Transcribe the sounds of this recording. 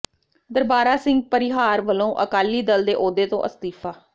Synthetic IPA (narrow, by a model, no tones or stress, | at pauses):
d̪əɾbaːɾaːsɪŋɡ̚pəɾɪɦaːɾʋəlõːʔəkaːliːd̪əld̪eːʔoːd̪eːt̪õ̰ːʔəst̪iːpʰaː